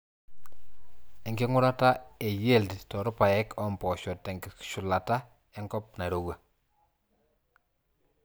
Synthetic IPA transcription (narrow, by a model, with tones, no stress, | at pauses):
ɛ˨ŋɡɪ˦ŋʊ˦ɾa˦ta˦e˨je˦˨lti˨tɔ˨ɾʊ˦pa˨ɛ˦kɔ˦mpɔ˨ʃɔ˨tːɛ˨ŋɡɪ˨ʃʊ˨la˨ta˦ | ɛ˦ŋɡɔ˦p̚na˨ɾo˨wa˨